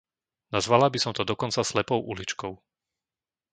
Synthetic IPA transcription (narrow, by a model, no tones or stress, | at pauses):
nazʋalabisɔmt̪ɔd̪ɔkɔnt͡saslɛpɔʊʔulit͡ʃkɔʊ